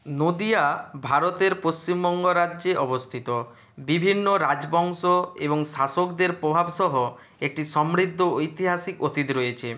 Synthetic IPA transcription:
nod̪iabʱaɾot̪eɾpost͡ɕimbɔŋɡoɾaʑeʔɔbost̪ʰit̪o | bibʱinːoɾad͡ʑbɔŋsoeβoŋʃasokd̪eɾpɾobʱabʃɔɦo | ek̚ʈiʃɔmɾid̪ʱːoojt̪iɦasikot̪it̪ɾojet͡ɕʰe

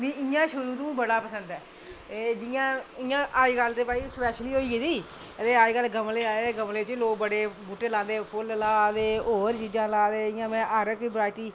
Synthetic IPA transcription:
ʋĩːɪjãːʃʊɾuːt̪ũːbəɽaːpəsənd̪ɛː | ed͡ʒɪjãːɪjãːʔaːiːɡəld̪eːpaːiːspɛːʃliːɦoːiːeːd̪iː | t̪eːaːiɡəlɡəmleːaːeːɡəmleːt͡ʃloːkbəɽeːbuːʈeːlãːnd̪eːpʰʊllaːd̪eːoːɾt͡ʃiːd͡ʒãːlaːd̪eːɪjãːmɛ̃ːʔaɾəkːbɾaːɪʈiː

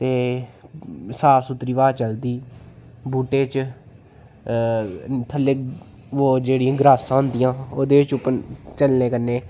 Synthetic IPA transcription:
t̪eː | saːsʊt̪ɾiːʋaːt͡ʃəld̪iː | buːʈeːt͡ʃ | t̪ʰəlːe | ʋoːd͡ʒeːɽijãːɡɾaːsãːʊ̃nd̪ɪjãːoːd̪eːɪt͡ʃʊpːənt͡ʃəlneːkənːeː

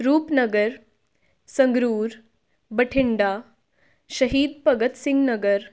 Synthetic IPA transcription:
ɾuːpnəɡəɾ | səŋɡɾuːɾ | bəʈʰiɳɖa | ɕəɦiːd̪̚pɐɡət̪siŋɡnəɡəɾ

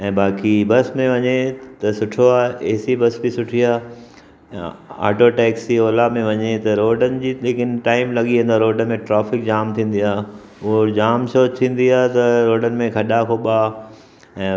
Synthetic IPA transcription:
ɛ̃ːbaːkibɐsmẽʋɐɲet̪ɐsʊʈʰoaːeːsibɐsbɪsʊʈʰiaː | a̰ːʈoʈɛːksioːlamẽʋɐɲet̪ɐɾoːɖənɪ̆d͡ʑiːlekɪnɪʈaːɪmlɐɠiẽnd̪aɾoːɖəmẽʈɾaːfɪk̚d͡ʑaːmt̪ʰĩːn̆d̪iaːɦ | ʊɦod͡ʑaːmsoːt͡ɕt̪ʰĩːn̆d̪iaːɦt̪ɐɾoːɖənɪ̆mẽkʰɐɗakʰoːɓaː | ɛ̃ː

